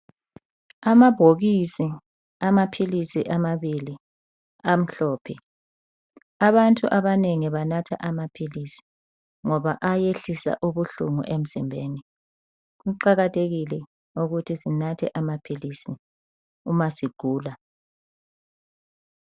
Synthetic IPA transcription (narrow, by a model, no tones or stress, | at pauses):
amab̥ʱoɣisi | amapʰilisiʔamaβili | am̩ɬɔːpʰɛ | aβantʼuʔaβaneŋiβanatʰa̰ʔamapʰilisi̥ | ŋɔβaʔajeɬisa̰ʔuβuɬṵŋṵʔem̩zimbʱeːni | ɣuǃaɣatʰeɣilɛ | uɣutʰisinatʰɛ̰ʔamapʰilisi | umasiɡ̥ʱuːla